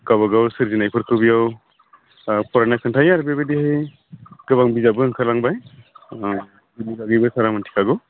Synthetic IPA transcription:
kabaɡawsɯɾzinajpʰɯɾkʰɯbijaw | pʰɔɾanakʰɯntʰajaɾbebedihɯj | ɡɯβaŋbizabɯɯŋkʰaɾlaŋbaj | biliɡaɡɯjbɯsaɾamɯntʰi̥kʰaɡɯ

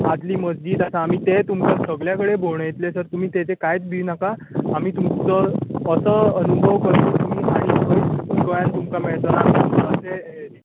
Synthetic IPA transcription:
ad͡z̪liːməd͡zd͡ʑiːd̪asãːm̤iːt̪et̪umkasəɡɭjakəɽebʱoɳjet̪lesəɾt̪um̤iːt̪et͡sekajt͡sbʱiʋnakaː | miːt̪umt͡səːsəːənubʱəʋkəɾt̪t̪umiːaɦiɦojikəjãnt̪umkameɭt̪əɾaəəse

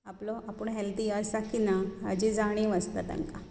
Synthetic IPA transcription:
aplɔʔapəɳɦɛlt̪ialsakʰinaa̰d͡ʑid͡zaɽ̃ẽʋəst̪a̰t̪a̰ŋka

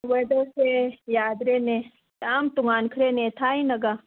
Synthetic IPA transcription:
wed̪osejaːd̪ɾene | taːmt̪uŋaːnkʰɾenet̪ʰaːinɐɡaː

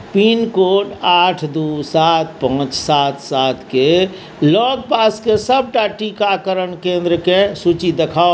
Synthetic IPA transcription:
pinkoʈaʈʰd̪usat̪pɔɦʊ̃t͡ʃsat̪ʰsat̪ʰke | lɔɡ̚paskesəb̚ʈaʈikakəɾənkẽnd̪ɾəkesut͡ʃid̪ekʰao

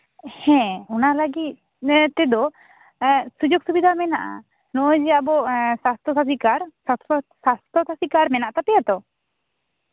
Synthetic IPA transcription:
hɛ̃ɔnaləɡit̪̚ | t̪ɛd̪ɔ | sud͡ʒoɡsubid̪ʱamɛnaʔa̰ | nɔjd͡ʒɛabɔsast̪ʰɔsas̬ikaɾsat̪ɔsast̪ʰɔt̪ʰasikaɾmɛnaʔt̪apɛjat̪ɔ

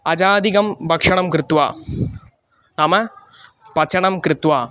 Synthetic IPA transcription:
ɐd͡ʑaːd̪iɣɐmbʱɐkʂɐɳɐmkɾɪt̪ʋa̰ː | nɐmɐ | pɐt͡ʃɐɳɐmkɾɪt̪ʋaː

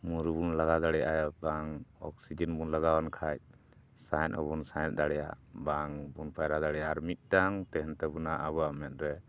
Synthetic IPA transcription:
muɾubunlaɡad̪aɽɛjʔajabaŋɔk̚sid͡ʒɛnbunlaɡawankʰaj̚ | sajnɔ̰bunsajnd̪aɽɛjabaŋbunpajɾad̪aɽɛjaɾmit̪̚ˀdaŋt̪ɛɦɛnt̪ɛbunaʔabuamɛt̪̚ɾɛ

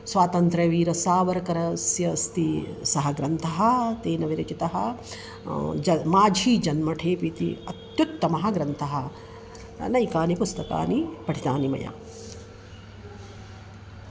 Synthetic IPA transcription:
sʋaːt̪ɐnt̪ɾɐʋiːɾɐsaːʋɐɾɐkɐɾɐsjɐst̪isɐɦɐɡɾɐnt̪ʰɐɦɐ̆t̪eːnɐʋiɾɐt͡ʃit̪ɐɦɐ | d͡ʒɐmaːd͡ʒʱiːd͡ʒɐnmɐʈʰeːpit̪ḭɐt̪jut̪ːɐmɐɦɐɡɾɐnt̪ʰɐɦɐ | nɐjkaːnipust̪ɐka̰ːnipɐʈʰit̪aːnimɐ̰ja̰ː

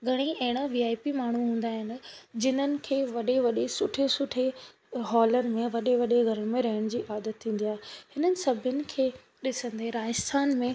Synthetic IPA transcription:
ɡʱɐɽ̃iɐɦɪɽ̃aʋiːaːipimaːɳ̤uɦũːn̆d̪aːɦɪnɪ̆d͡ʑɪn̤ənɪ̆kʰeːʋɐɗeʋɐɗesʊʈʰesʊʈʰe | ɦɔːləɾmẽʋɐɗeʋɐɗeɡʱɐɾəɽ̃mẽɾɐɦəɽ̃d͡ʑiːaːd̪ət̪ʰːĩːn̆d̪ijaːɦehɪnənɪ̆sɐbʱənɪ̆kʰeː | ɗɪsə̃nd̪ɦeɾaːɪst̪ʰaːnmẽ

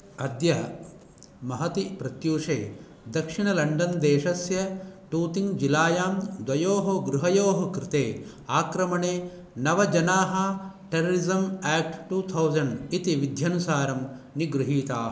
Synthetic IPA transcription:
ɐd̪jɐ | mɐɦɐt̪ipɾɐt̪juːʂeː | d̪ɐkʂiɳɐlɐɳɖɐnd̪eːʂɐsjɐʈuːt̪iŋd͡ʒilaːjaːmd̪wɐjoːɦɐɡɾuɦɐjoːɦɐkɾit̪eː | aːkɾɐmɐɳeː | nɐʋɐd͡ʒɐnaːɦɐʈeɾɐɾizɐmɛːk̚ʈʈuːt̪ʰɐwzɐɳɖit̪iʋid̪ʱjɐnusaːɾɐmniɡɾuɦiːt̪aːɦ

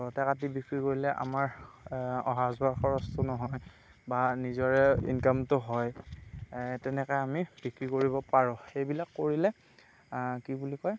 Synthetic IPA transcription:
ɔtɛkat̬ibikɹikoɹilɛʔa̰maɹ | ɔ̰ɦazbʱaxɔɹɔstʰʊnɔɦɔj | banizɔɹɛḭnkamtʊɦɔj | tɛnɛkɔjamib̥ikɹikoɹibɔpaɹɔ̃xejbilakːoɹilɛ | kibulikɔj

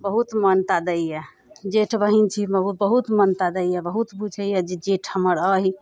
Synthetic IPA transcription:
bəɦut̪mənt̪ad̪əjjɛ | d͡ʒeʈʰbəɦint͡ʃʰiməɦubəɦut̪mənt̪ad̪əjjɛbəɦut̪bud͡ʒʰəjɛd͡ʒed͡ʒeʈʰhəməɾəɦi

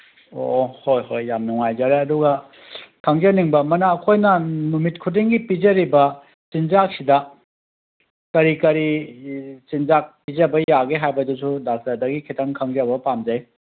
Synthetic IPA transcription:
o̰hojhojːamnuŋajd͡ʒaɾeɐduɡɐ | kʰaŋd͡ʒaniŋbɐmɐnaːkʰojnɐnumit̚kʰut̬iŋɡipizɐɾibɐ | sinzak̚sidɐ | kɐɾikɐɾi | sinzak̚pizɐbɐjaɡeɦajbɐdusʰudak̚zadɐɡikʰetʰaŋkʰaŋzabɐpamd͡ʒaj

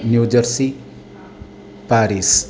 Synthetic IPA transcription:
njud͡ʒʌɾsi | paɾis

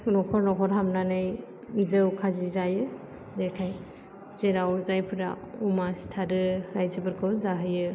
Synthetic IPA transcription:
nɔkʰɔɾnɔkʰɔɾɦamnanɯj | zɯwkʰazizajɯ | zeɾkʰaj | zeɾawzajpʰɯɾa̰ | umasi̥tʰaɾɯɾajzɯbɯɾkʰɯwzaɦɯjɯ

